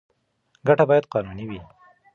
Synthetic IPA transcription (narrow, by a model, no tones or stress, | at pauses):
ɡaʈabɑjad̪̚qɑnuniwi